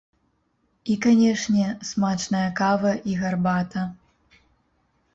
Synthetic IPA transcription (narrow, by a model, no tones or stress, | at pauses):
ikanʲɛʂnʲɛsmat͡ʂnɐjɐkavɐʔiɣarbat̪ɐ